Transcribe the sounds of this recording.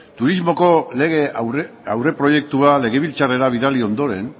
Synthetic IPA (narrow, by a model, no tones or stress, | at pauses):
t̪uɾizmo̞ko̞leɣeawre̞pɾo̞je̞k̚t̪uale̞ɣe̞βilt͡sare̞ɾaβ̞iðalio̞nd̪o̞ɾe̞n